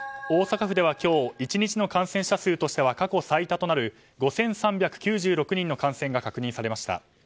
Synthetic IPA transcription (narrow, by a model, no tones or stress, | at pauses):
o̞ːsakaɸɯ̟d̪e̞β̞akʲo̞ːit͡ɕiɲ̟it͡ɕino̞kãɰ̃sẽɕasɨːt̪o̞ɕi̥t̪e̞βakako̞sait̪at̪o̞naɾɯ̟ | ɡo̞sẽ̞ɰ̃sãmbʲjakɯ̟̥kʲɨːʑɨːɾo̞kɯ̟ɲ̟ĩnːo̞kãɰ̃sẽ̞ŋɡakakɯ̟ɲ̟ĩsaɾe̞maɕi̥t̪a̰